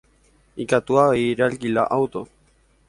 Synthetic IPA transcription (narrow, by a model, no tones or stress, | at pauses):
ikat̪uaeɾalɡila̰ʔawt̪o